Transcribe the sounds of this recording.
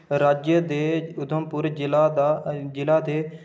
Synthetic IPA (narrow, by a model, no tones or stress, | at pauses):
ɾaːd͡ʒjəd̪eːʊd̪ʱəmpʊɾd͡ʒɪlad͡ʒɪlaːd̪eː